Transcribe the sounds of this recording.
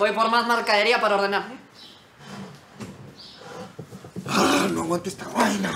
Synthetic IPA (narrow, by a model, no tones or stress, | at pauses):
ojpoɾmazmaɾkaðeɾiapaɾaoɾðenaɾme | anõwãnt̪est̪aɣwajna